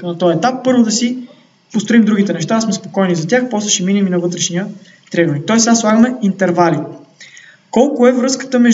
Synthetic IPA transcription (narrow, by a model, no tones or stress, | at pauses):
nɐt̪ɔjɐɛt̪apːɤɾvʊd̪ɐsi | post̪ɾoimd̪ɾuɡ̟it̪ɛnɛʃt̪aːsmɛspokɔjnizɐt̪ʲjaxpɔslˠɛʃiminiminɐvɤt̪ɾɛʃniə | t̪ɾɛɡoɾit̪ɔɛsaslˠaɡəmɛint̪ɛɾvali | kɔlˠkʊɛvɾɤskə̥t̪əmɛʒ